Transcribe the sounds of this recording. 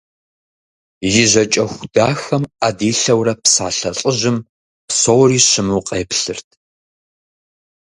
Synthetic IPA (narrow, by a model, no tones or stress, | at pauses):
jɪʑʷɐt͡ʃʼɐxʷʊda̰ːxɐmaːdiːɬɐwrɐpsa̰ːɬɐɬʼəʒɪm | psowriːɕɪmuːqʼeːpɬɨrtʰ